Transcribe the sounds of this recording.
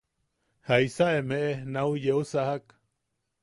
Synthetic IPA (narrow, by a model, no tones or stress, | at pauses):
haisaʔemeʔenaujeusahak